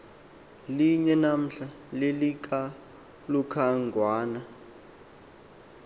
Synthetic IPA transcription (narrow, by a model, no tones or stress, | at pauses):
liɲɛnam̩ɬa | lelik̬a | lukʰaŋɡwaːna